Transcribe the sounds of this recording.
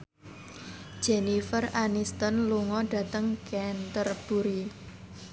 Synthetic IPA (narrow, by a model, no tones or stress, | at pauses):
d͡ʒ̥enifəranist̪ənluŋɔɖ̥ä̤t̪əŋkɛnt̪ərb̥uɾi